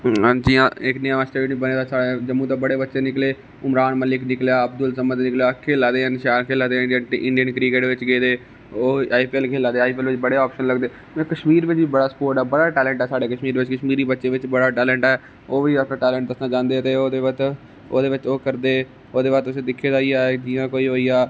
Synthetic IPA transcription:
d͡ʒijãːɪknɪjããsʈeːinĩːbəneːd̪aːsaːɽed͡ʒəmːũːt̪ãːbəɽeːbətːʃeːnɪkleː | ʊmɾaːnməlɪknɪkljaːəbd̪ʊlsəmət̪nɪkljaːkʰeːlaːd̪eːənʃaːnkʰeːlaːd̪eːɪɖiənɪɳɖijənkɾɪkeːʈʋɪt͡ʃɡeːd̪eː | oːaːipiɛlkʰeːlaːd̪eːaːiːpɛːlʋɪt͡ʃbəɽeːaːpʃənləɡd̪eː | ɛ̃kəʃmiːɾʋɪt͡ʃbiːbəɽaːsə̥poːɾʈɛːbəɽaːʈɛːlɛ̃ːɳʈɦɛːsaːɽeːkəʃmiːɾʋɪt͡ʃkəʃmiːɾiːbətːʃeːʋɪt͡ʃbəɽaːʈɛːlɛ̃ːɳʈɦɛː | oːʋiːətnãːʈɛːlɛ̃ːɳʈ̪əsnãːd͡ʒãːnd̪eːt̪eːoːd̪eːʋət̪ | oːd̪eːʋɪt͡ʃoːkəɾd̪eː | oːd̪eːʋaːt̪ʊsẽːd̪ɪkʰːeːd̪aːiːaːd͡ʒɪːjãːkoːiːɦoːiːaː

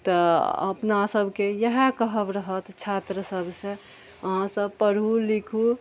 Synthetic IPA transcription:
t̪əə̰pnasəbʱkejəɦekəɦəbɾəɦət̪t͡ʃʰat̪ɾəsəbʱsẽ | əɦãsəbpəɾulikʰu

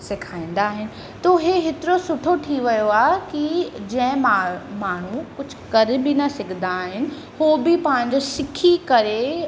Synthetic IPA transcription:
sɪkʰaːĩːn̆d̪aːɦɪnɪ̆ | t̪oɦeɦet̪ɪɾosʊʈʰoʈʰiʋɐjoaːɦekid͡ʑɐ̃ɦɪ̃mamaːɳ̤ukʊd͡ʑʱʊ̥kɐɾbɪnɐsɪɡʱə̃nd̪aːɦɪnɪ̆ | hoːbɪpãɦɪ̃ɲ̆d͡ʑosɪkʰikɐɾe

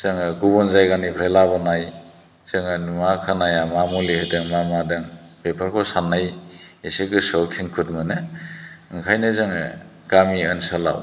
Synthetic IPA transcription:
z̥ɯŋɯɡubɔnzajɡanipʰɾelabɯnaj | z̥ɯŋɯnumakʰanajamamulehɯdɯŋmamadɯŋ | pepʰaɾkʰɔsanːajeseɡɯsɔwkʰiŋkʰut̚mɯnɯ | ŋkʰajnɯzɯŋ̰ | ɡ̥amiɯnsɯla̰w

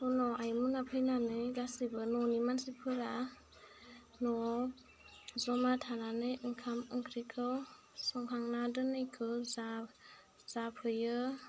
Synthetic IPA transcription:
hɔnɔʔajmunapʰɯjnanɯjɡasibɯnɔnimansipʰɯɾa | nɔ | zɔmatʰananɯjʔɯŋkʰamɯŋkʰɾikʰɯw | sɔŋhʰaŋnadɯnɯjkʰɯza | z̥apʰɯjɯ

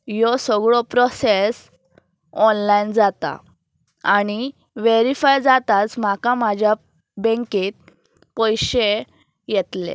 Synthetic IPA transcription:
jɔsɔɡɭɔpɾɔses | ɔnlajnd͡zat̪a̰ | aɽ̃i | ʋeɾifajd͡zat̪at͡sm̤akamad͡ʑʱja | bɛ̃ŋkit̪̚ | pɔjɕe | jɛt̪lḛ

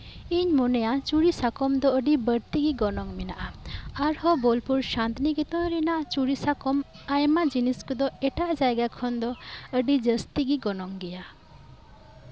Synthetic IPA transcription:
iɲmɔnɛjat͡ʃuɾisakɔmd̪ɔəɖibəɾt̪iɡiɡɔnɔŋmɛnaʔaaɾhɔbɔlpuɾʃant̪niɡɛt̪ɔ̃ɾɛnaʔt͡ʃuɾisakɔm | ajmad͡ʒiniskɔd̪ɔɛʈaʔd͡ʒajɡakʰɔnd̪ɔəɖid͡ʒəst̪iɡiɡɔnɔŋɡɛja

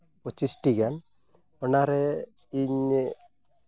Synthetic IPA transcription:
ɔt͡ʃisʈiɡan | ɔnaɾɛ | iɲ

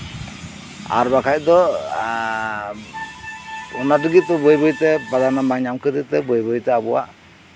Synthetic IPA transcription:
a̰ɾbakʰajd̪ɔ | ɔnadəɡit̪ɔbɔjbɔjt̪ɛbad̪anamaŋɲamkʰəd̪it̪ɛbɔjbɔjt̪ɛabɔwa̰ʔ

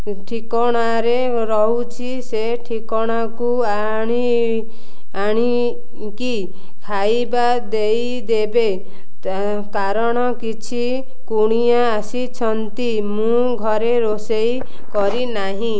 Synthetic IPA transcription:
ʈʰikɔɽ̃aɾe | ɾɔɦut͡ʃʰise | ʈʰikɔɽ̃aku | a | ɽ̃i | aɽ̃i | ki | kʰajba | d̪ej | d̪ebe | t̪a | kaɾɔɽ̃ɔkit͡ʃʰi | kuɽ̃ijaːsit͡ʃʰɔnt̪i | mũ | ɡʱɔɾeɾosej | kɔɾinaɦĩ

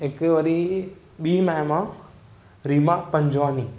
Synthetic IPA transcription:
ɪkʋɐɾi | ɓiːmɛmã | ɾiːmapɐ̃ɲd͡ʒʋaːni

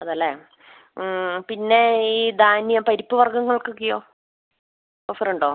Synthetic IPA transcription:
ɐðɐlːeː | pinːe̞iːd̪aːnjɐmpɐɾipːɨʋɐrɡɐŋːɐɭkɨkːijoː | ofrɳɖoː

